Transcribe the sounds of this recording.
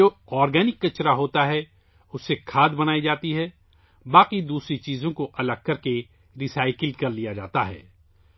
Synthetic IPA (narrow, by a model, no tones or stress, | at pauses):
oː | ɔːɾɡɛːnɪkːɐt͡ʃɾaɦoːt̪aɦɛ | ʊsːekʰaːd̪bɐnaːid͡ʒaːt̪iɦɛː | baːqid̪uːsɾit͡ʃiːzõkoʔɐləɡ̚kɐɾke | ɾisaːɪkəlkɐɾlijad͡ʒa̰ːt̪aɦɛ̰ː